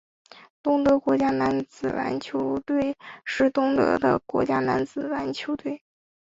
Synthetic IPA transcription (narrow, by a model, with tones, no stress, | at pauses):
t̪ʊ˥ŋt̪ɤ˧˥kwɔ˧˥t͡ɕja˥na˧˥nt͡sɹ̩˨˩ɻa̰˧˥nt͡ɕʰjo˧˥ʊt̪we˥˧ɪʂɻ̩˥˩t̪ʊ˥ŋt̪ɤ̰˧˥d̪ə̰˧kwɔ̰˧˥t͡ɕja˥na˧˥nt͡sɹ̩˨˩ɻa˧˥nt͡ɕʰjo˧˥ʊt̪we˥˩ɪ